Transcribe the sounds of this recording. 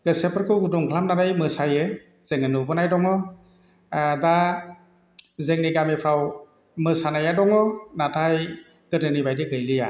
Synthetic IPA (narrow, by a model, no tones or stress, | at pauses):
ɡ̥ɯsepʰəɾkʰɯwɡuduŋkʰlamnaɾajmɯsajɯ | z̥eŋɯnɯbɯnajdɔŋɔ | da | zeŋniɡamepʰaw | mɯsanajadɔŋɔnatʰaj | ɡ̥ɯtɯnibajdɯɡɯjlɯja